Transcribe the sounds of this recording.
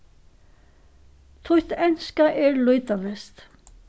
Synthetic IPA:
t̪ʰuht̪ɛnskaʔɛɾlœɥt̪avɛst̪

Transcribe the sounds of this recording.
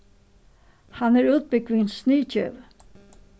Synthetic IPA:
hanæɹʉːt̪̚bɪkʋɪnsniːt͡ɕœ̰v

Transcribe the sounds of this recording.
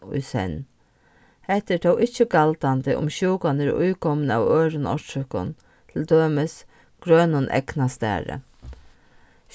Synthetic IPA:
ʊ̰jsɛ̰n | hɛt̪ət̪ʰowʔɪt͡ʃːəɡalt̪ant̪əʔʊ̰mʃuːkanəɾʊ̰jkʰɔmənæ̰ʋøːɾʊnɔ̰tʏkʊ̰n | t̪ʰɪld̪øːməs | ɡ̥ɾøːnʊnʔɛ̰knast̪æ̰ːɾə̰

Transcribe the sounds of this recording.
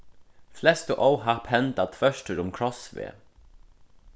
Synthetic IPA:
flɛst̪əʔowɦapʰhɛnt̪at̪ʰfœʃʈəɾʊmkʰɹɔsʋḛː

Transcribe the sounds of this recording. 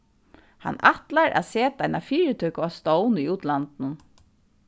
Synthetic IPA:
ha̰nːaht̪laɹʔa̰ðseːt̪aajnafiːɾɪt̪ʰœɥkʊast̪ɔwniuːt̪lant̪nʊn

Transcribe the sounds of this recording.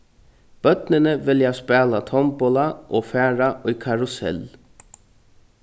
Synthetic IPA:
b̥œt̪nənəʋɪljæspæːlɑt̪ʰɔmbɔlɑʔoːfæːɹɑʔiːkʰɑɹʊsɛ̰l

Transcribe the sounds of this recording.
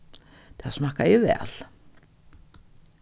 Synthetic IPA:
t̪asmahkajɛvɛ̰ːl̥

